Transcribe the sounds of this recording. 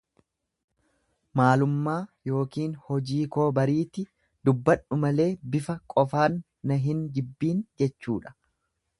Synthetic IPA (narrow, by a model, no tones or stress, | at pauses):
maːlʊmːaːjo̞ːkiːnhɔd͡ʒiːko̞ːbɐɾiːt̪ɪ | d̪ʊbːɐnːʊmɐle̞ːbɪfɐkʼɔfaːnː | ɐɦɪnɡɪbːiːnd͡ʒɛt͡ʃːuːᶑɐ̥